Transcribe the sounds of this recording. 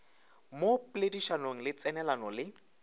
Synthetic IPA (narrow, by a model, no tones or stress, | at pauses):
moplediʃanoŋ̩lɪt͡sɛnɛlanɔlɪ